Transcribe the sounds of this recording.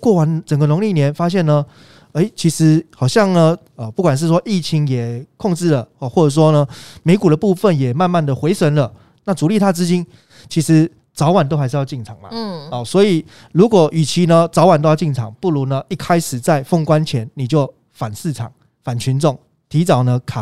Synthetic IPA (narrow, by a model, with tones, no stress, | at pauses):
kwɔ˥˩wa˧˦nt͡sə˨˩ŋɡə˨nʊ˧˥ŋli˥˩njɛ˧˦nfa˥ɕ̬jɛ˥˩nnə˨ | e˧˥ɪt͡ɕʰi˧˥ʂɻ̩˧˥xɑ˨˩ʊɕjɑ˥˩ŋnə˨ | ə˨˩pu˥˩kwa˨˩nʂ̬̩˥˩ʂ̬wɔ˥ʔi˥˩t͡ɕʰi˧˦ŋjɛ˨˩kʰɔ˥˧ŋʈ͡ʂɻ̩˥˩lə˩˧˩xwɔ˥˩ʈ͡ʂə˨˩ʂ̬wɔ˦˥nə˧me˧˥ɪku˨˩ɾə˦pu˥˧fə˥˨njɛ˨˩ma˥˧nma˥˩nd̪ə˩xwe˧˥ɪsə˧˥nlə˨ | na˥˩t͡su˨˧li˥˩t̪ʰa˥t͡sɹ̩˥t͡ɕi˥n | t͡ɕʰi˧˥ʂɻ̩˧˥ | t͡sɑ˧˥ʊwa˨˩nt̪o˥xa˧ɪʂ̩˥˧jt͡ɕi˥˩ŋt͡sʰɑ˨˩˦ŋma̰˨ɔ˨˩swɔ˧˥i˨˩ | lu˧˥kwɔ˨˦ʔy˨˩t͡ɕʰi˧˥nə˧t͡sɑ˨˧˥ʊwa˨˩nt̪o˥jʊt͡ɕi˥˩nt͡sʰɑ̰˨˩ŋpu˥˩lu˧˥nə˧ʔi˥˩kʰa˥ɪʂɻ̩˨˩t͡sa˥˩ɪfo˥˧ŋkwa˦nt͡ɕʰjɛ˧˦nːi˨˩t͡ɕjo˥˩ʊ | fa˨˩nsɹ̩˥˩ʈ͡ʂʰɑ̰˨˩˦ŋ | fa˨˩nt͡ɕʰy˧˦nt͡sɔ˥˩ŋ | t̪ʰi˧˥t͡sɑ˨˦ʊnə˧˦kʰa˨˩